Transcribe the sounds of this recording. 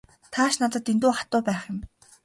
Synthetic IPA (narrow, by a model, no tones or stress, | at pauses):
t̪ʰaːʃnat̪ə̆t̪int̪uːχḁt̪ʊːpæːχjʊ̆m